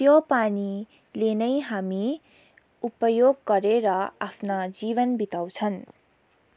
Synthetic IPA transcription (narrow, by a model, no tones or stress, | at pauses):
t̪jopani | lenʌjɦami | upʌjoɡːʌɾeɾʌapʰnad͡ziβʌnbit̪aw̃t͡sʰʌn